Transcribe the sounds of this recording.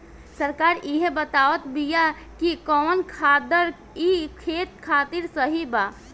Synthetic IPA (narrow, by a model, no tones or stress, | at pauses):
səɾkaɾiɦebət̪aʋət̪bija | kikɔnkʰad̪əɾ | ikʰet̪kʰat̪iɾsəɦiba